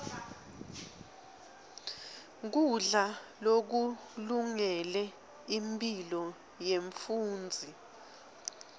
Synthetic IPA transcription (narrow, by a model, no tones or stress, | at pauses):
k̬uɮalok̬u | luŋɛlɛ | impʼilɔ | jeɱfuːnd͡zʱi